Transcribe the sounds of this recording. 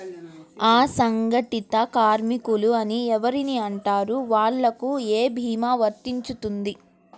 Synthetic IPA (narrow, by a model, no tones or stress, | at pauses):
aːsɐŋɡɐʈit̪ɐkaːɾmikuluɐniɛʋɐɾiniɐɳʈaːɾuʋaːɭːɐkueːbʱiːmaːʋɐɾt̪iɲt͡ʃut̪und̪i